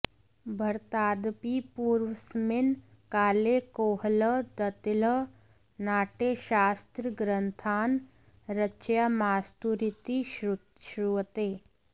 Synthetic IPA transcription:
bʱɐɾt̪aːd̪pipuːɾʋəsmɪn | kaːlekoːɦləd̪ət̪ɪlə | naːʈeːʃaːst̪ɾəɡɾənt̪ʰaːn | ɾət͡ʃjamaːst̪uɾit̪i | ʃɾuʋət̪eː

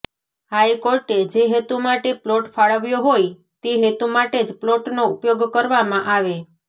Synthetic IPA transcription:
hajkoɾʈed͡ʒeɦet̪umaʈeploʈfaɭəʋjoɦoj | t̪eɦet̪umaʈed͡ʒploʈnoupjoɡkəɾʋamãʔaʋe

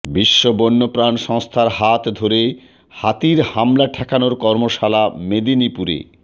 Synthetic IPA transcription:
biʃːobonːopɾanʃɔŋst̪ʰaɾɦat̪d̪ʱoɾe | hat̪iɾhamlaʈʰɛkʰanoɾkɔɾmoʃalamed̪inipuɾḛ

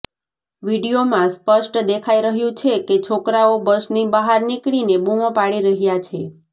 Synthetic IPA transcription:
ʋiɖijomãspəʃʈd̪ekʰaiɾəɦjũt͡ʃʰeket͡ʃʰokɾaobəʃnibaɦaɾnikɭinebumõpaɽiɾəɦjat͡ʃʰe

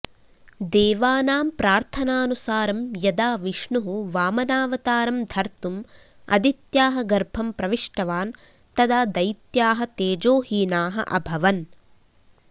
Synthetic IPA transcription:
d̪eːʋaːnaːmpɾaːɾt̪ʰɐnaːnusaːɾɐmjɐd̪aːʋiʂɳuɦuʋaːmɐnaːʋɐt̪aːɾɐmd̪ʱɐɾt̪um | ɐ̰d̪it̪jaːɦɐɡɐɾbʱɐmpɾɐʋiʂʈɐʋaːn | t̪ɐd̪aːd̪ɐjt̪jaːɦɐ̆t̪eːd͡ʒoːɦiːnaːɦɐ̰ʔɐ̰bʱɐʋɐn

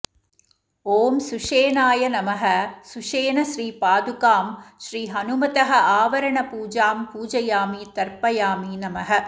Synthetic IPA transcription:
oːmsuʂeːnaːjɐnɐmɐɦɐsuʂeːnɐʃɾiːpaːd̪ukaːmʃɾiːɦɐnʊmɐt̪ɐɦɐ̆ʔaːʋɐɾɐɳɐpuːd͡ʒaːmpuːd͡ʒɐjaːmit̪ɐɾpɐjaːminɐmɐɦɐ

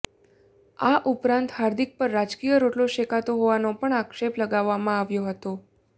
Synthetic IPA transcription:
aʔupɾãnt̪ɦaɾd̪ʱik̚pəɾːad͡ʒkijəɾoʈloʃekat̪oɦoʋanopəɳakʃepləɡaʋːamãaʋjoɦət̪o

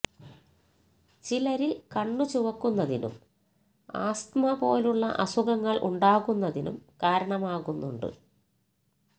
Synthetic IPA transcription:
t͡ɕilɐɾilkɐɳːut͡ɕuʋɐkːunːɐðinṵm | a̰ːst̪mɐpo̞ːluɭːɐ̰ʔɐsuɣɐŋːɐɭʔṵɳɖaːɣunːɐðinumkaːɾɐɳɐmaːɣunːuɳɖɨ̰

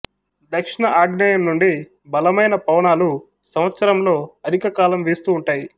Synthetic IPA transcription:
d̪ɐkʂiɳɐʔaːɡɳɐjɐmnuɳɖi | bɐlɐmɐjnɐpɐwɳaːlu | sɐmʋɐt̪sɐɾɐmlo̞ːɐd̪ʱikɐkaːlɐmʋeːst̪uːuɳʈaːji

